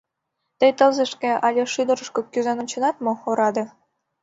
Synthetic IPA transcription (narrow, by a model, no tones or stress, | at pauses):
t̪əjt̪əlzə̆ʃkĕɑlʲeʃyd̪əɾəʃkokyzɑnonʲt͡ɕə̆nɑt̪̚mooɾɑd̪ĕ